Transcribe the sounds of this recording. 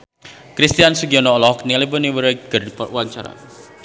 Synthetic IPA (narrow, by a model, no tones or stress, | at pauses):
kɾist̪iansuɡiɔnɔlɔknilebəniwəɾɛɡ̥ərdipṵwaɲt͡ʃa̰ɾa̰